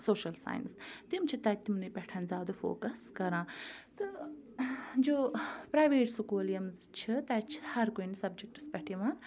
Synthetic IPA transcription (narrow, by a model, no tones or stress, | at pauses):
soːʃɐlsa̰ːj̰nst̪imt͡ʃʰit̪ɐt̪imnɨpʲɐʈʰɐnzʲjaːd̪ofo̰ːkɐskɐɾãːt̪ɨ | d͡ʒoːpɾaːjʋeːʈsukuːljɐmz | t͡ʃʰit̪ɐt͡ʃʰi̥hɐɾkonisɐbd͡ʒek̚ʈɨ̥spɐʈʰiʋaːn